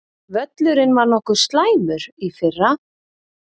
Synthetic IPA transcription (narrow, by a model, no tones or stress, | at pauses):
vœt̪lʏɾɪnːvaɾnɔhkʏɾ̥st̪laːjmʏɾifɪrːa